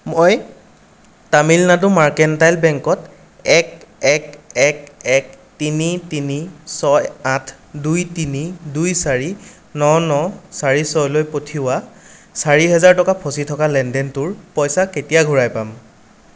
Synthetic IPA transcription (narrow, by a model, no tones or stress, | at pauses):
moj | tamilnadumaɹkɛntajlbɛŋkɔt | ɛk̚ɛkɛk̚ɛk̚ | tinitinisɔjatʰ | dujtinidujsaɹi | nɔnɔsaɹisɔjlojpotʰiʊwasaɹiɦɛzaɹtɔkapʰositʰɔkalɛndɛntʊɹpɔjsaketijaɡʱuɹajpam